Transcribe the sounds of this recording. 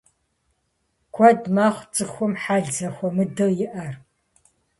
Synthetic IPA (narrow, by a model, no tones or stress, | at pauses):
kʷʰɔdmaːχʷt͡sʼɨxʷɔmħaːɮd͡zɐxʷɔmɨdɨjɪʔɐr